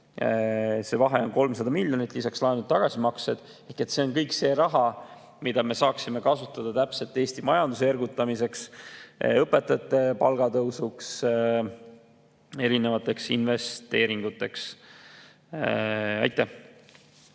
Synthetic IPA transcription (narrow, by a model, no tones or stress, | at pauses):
se̞vɑɦe̞o̞nko̞lmsɑd̪ɑmilʲjo̞nit̪ːˑlisɑkslɑenud̪̚t̪ɑɡ̥ɑsʲimɑksed̪̥ | e̞hke̞t̪ːse̞o̞nkɤjkse̞ːɾɑɦɑ | mid̪̥ɑme̞sɑːksime̞kɑsut̪ːˑɑd̪̥ɑt̪æpse̞lt̪ːe̞ːst̪imɑjɑnd̪userɡut̪ːˑɑmise̞ks | ɤpːˑe̞t̪ːˑɑt̪ːˑe̞pɑlɡ̥ɑt̪ɤwsuks | e̞ɾine̞vɑt̪ːˑe̞ksinve̞st̪e̞ːɾiŋɡ̥ut̪ːˑe̞ks | ɑ̰jt̪ːˑæ